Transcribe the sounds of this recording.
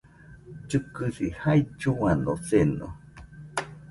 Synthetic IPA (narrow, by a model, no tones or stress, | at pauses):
t͡ʃɨkɨsihajd͡ʒuanoseno̰